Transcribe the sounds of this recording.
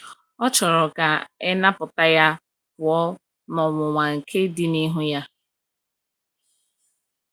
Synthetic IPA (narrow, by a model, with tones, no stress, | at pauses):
ɔ˦t͡ʃɔ˨ɾɔ˨ka˨ɛ˦na˦pʊ˨ta˦ja˦ | pʊ˨ɔ˦ | mɔ˨ŋʷʊ˨ŋʷa˨ŋ̩˨kʰe˦di˦ni˦ɦʊ˦ja˦